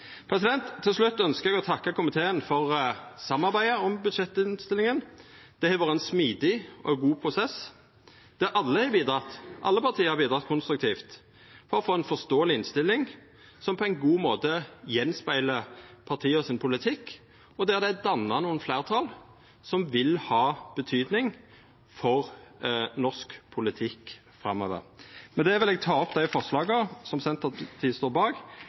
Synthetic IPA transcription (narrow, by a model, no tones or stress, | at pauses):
pʰɾɛsɪd̪ɛnt̪ʰːɪlslʉt̪ːœnskəɾɛɡɔt̪ʰɑkːɑkʊmɪt̪ʰeːənfɔʁsɑmːɑɾbæɪəɔmbʉd̪ʂɛt̪ːɪnst̪ɪlːɪŋən | d̪̥ɛhɛʋɑːʁɾəɛnsmiːd̪ɪʔɔ̰ɡuːpʰɾʊsɛs | d̪̥ɛʔɑlːəhɛbiːd̪ɾɑt̪ʔɑ̰lːəpɑʁt̪ʰiːəhɑɾbiːd̪ɾɑt̪̚kʰʊnst̪ɾʉkt̪ʰiːft̪ | fɔɾɔfoːɛnfɔst̪oːəlɪɪnst̪ɪlːɪŋ | sɔmpʰɔæɪnɡuːmoːt̪əjɛnspæɪləpʰɑʁt̪ʰiːɔsɪnpʰʊlɪt̪ʰɪkː | ɔd̪ɛːd̪æd̪ɑnːɑnuːənflæːʁt̪ʰɑːl | sɔmʋɪlhɑːb̥ət̪ʰyːd̪nɪŋ | fɔʁ | nɔskpʰʊlɪt̪ʰɪkː | fɾɑmːøːʋə̰ʁmɛnd̪ɛæʋɪlɛɡ̚t̪ʰɑːɔpd̪æɪfɔʁʂlɑːɡəsɔmsɛnt̪ət̪ʰiːst̪oːbɑːɡ